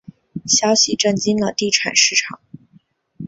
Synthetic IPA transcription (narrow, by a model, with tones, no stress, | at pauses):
ɕjɑ˥ʊɕi˨ʈ͡ʂə˥˩ŋt͡ɕi˥nlə˨t̪i˥˩ʈ͡ʂʰa̰˨˩nʂɻ̩˥˩ʈ͡ʂʰɑ˨˩˦ŋ